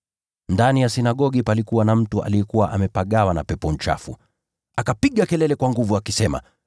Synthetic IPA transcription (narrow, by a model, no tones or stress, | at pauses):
ndanijasinaɠɔɠipalikuwanam̩tuʔa̰lijɛkuwaʔamɛpaɠawana̰pɛpɔn̩t͡ʃa̰fu | akapiɠakɛlɛlɛkwaŋɡuvuakisɛma̰